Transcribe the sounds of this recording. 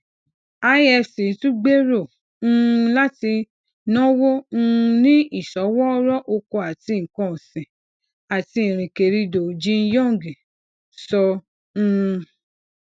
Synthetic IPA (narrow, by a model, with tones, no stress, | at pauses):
a˧˦ɛ˧sĩ˨˦tũ˦ɡ͡be˦ɾõ˦˨˦ | la˦ti˧ | nɔ̃˦wõ˦˧nĩ˦i˦˨sɔ˨˦wɔ˦ɾɔ˦ʔo˧ko˧a˨ti˧ŋ̩˨kɔ̃˧˨sĩ˨ | a˨ti˧ĩ˨ɾ̃ĩ˨ke˨ɾi˧do˨d͡ʒĩ˦n̩˦jɔ̃˦˨ŋ˨ɡi˨ | sɔ˧ | ũ˧